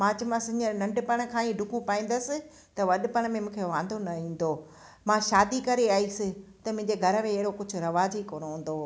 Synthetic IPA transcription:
mãt͡ɕɐmãsɪ̃ɲənɐ̃ɳɖɪpɐɽ̃̆kʰãːĩɖʱʊkʰũpaːĩːn̆d̪əsɪ̆ | t̪ɐʋɐɗɪpɐɽ̃mẽmũːkʰeʋãːn̆d̪ʱonɐɦĩːn̆d̪oː | mãʃaːd̪ikɐɾeaːisɪt̪ɐmʊ̃ɦɪ̃ɲd͡ʑeɡʱɐɾəmẽɐɦɪɾokʊd͡ʑʱʊ̆ɾɐʋaːd͡ʑɦikoːñoɦũːn̆d̪oː

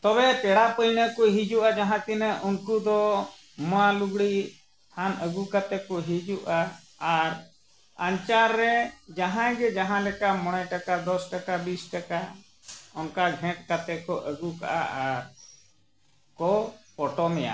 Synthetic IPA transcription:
t̪ɔbɛʈɛɽapəjnəkɔɦid͡ʒuʔad͡ʒaɦãt̪inəʔunkud̪ɔ | mɔaluɡɽi | hanəɡukat̪ɛkɔɦid͡ʒuʔaː | ɾ | aɲt͡ʃaɾːɛd͡ʒaɦãjɡɛd͡ʒaɦãlɛkamɔɽ̃ɛʈakad̪ɔsʈakabisʈaka | ɔnkaɡʱɛ̃ʈ̚kat̪ɛkɔʔəɡuka̰ʔa̰ʔaɾ | kɔpɔʈɔmɛja̰

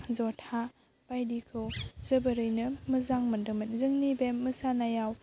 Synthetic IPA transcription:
zɔtʰa | pajdikʰɯwzɯbɐɾɯjnɯmɯzaŋmɯndɯmɯnzɯŋnibemːɯsanajaw

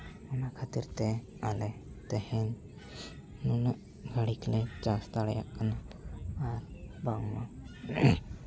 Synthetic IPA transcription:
ɔnakʰat̪iɾt̪ɛ | alɛt̪ɛhɛn | nunəʔ | ɡʱaɽiklɛt͡ʃast̪aɽja̰kanaaɾbaŋmã̰

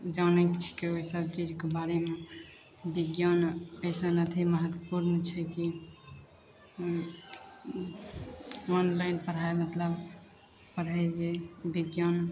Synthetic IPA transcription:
d͡ʒaʊnɛkt͡ʃʰi̥keoɦisəb̚t͡ʃid͡ʒkebaɾeme | biɡjanəsanət̪ʰiməɦət̪wəpuɾnt͡ʃʰɛki | ɔnlaɪnpəɾ̤aemət̪ləb | pəɽɦɛd͡ʒebiɡjan

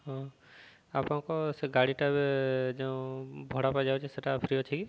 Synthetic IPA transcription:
ɦɔ̃ | apãkɔseɡaɽiʈabed͡ʒeũbʱɔɽapad͡ʒawt͡ʃʰiseʈapʰɾiɔt͡ʃʰiki

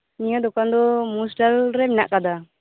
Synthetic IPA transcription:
nijɔd̪ɔkand̪ɔmusʈalɾɛmɛna̰ʔkad̪a

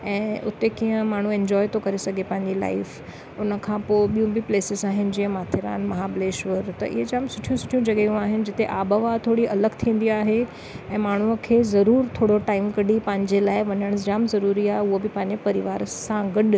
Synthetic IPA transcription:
ɛ̃ːʊt̪ekijə̃maːɳ̤ũẽɲd͡ʑɔːɪt̪ʰokɐɾesɐɡʱepɐ̃ɦɪ̃ɲd͡ʑila̰ːɪf | ʊnə̆kʰãpoːɓijũbɪpleːsɪzaːɦɪnɪ̆d͡ʑiə̃maːt̪ʰɪɾa̰ːnmɐɦabɪleːʃʋəɾt̪ɐ̰ʔɪ̰ɦed͡ʑaːmsʊʈʰijũsʊ̥ʈʰijũd͡ʑɐɠejũaːɦɪnɪ̆d͡ʑɪt̪eʔaːbəʋat̪ʰoːɽiʔɐləɡt̪ʰĩːn̆d̪iaːɦe | ɛ̃ːmaːɳ̤uəkʰeːzɐɾuːɾt̪ʰoːɽoʈaːɪmkɐɗipɐ̃ɦɪ̃ɲd͡ʑelaːɪʋɐɲəɽ̃ʊsd͡ʑaːmzɐɾuːɾiaːɦeʊɦobɪpɐ̃ɦɪ̃ɲd͡ʑepɐɾɪʋaːɾsãɡɐɗ

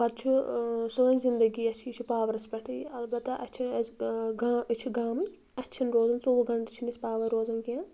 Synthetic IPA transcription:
bɐd̪̚t͡ʃʰusõːnzind̪ɐɡiːɐt͡ʃʰit͡ʃʰupaːʋɐɾɐspɐʈʰiɐlbɐt̪ːɐʔɐt͡ʃʰiɡat͡ʃʰiɡaːmi | ɐtːt͡ʃʰinɾoːzɐnsoːɡɐɳʈt͡ʃʰinispaːʋɐɾoːzɐnkijãː

